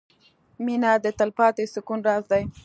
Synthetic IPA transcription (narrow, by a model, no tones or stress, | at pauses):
minad̪ət̪alpɑt̪esʊkunɾɑzd̪aj